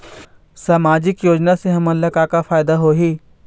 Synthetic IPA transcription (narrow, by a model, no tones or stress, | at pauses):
saːmaːd͡ʒɪkjoːd͡ʒnaseɦɐmɐ̃lɐkakafʰaːjd̪aɦoɦiː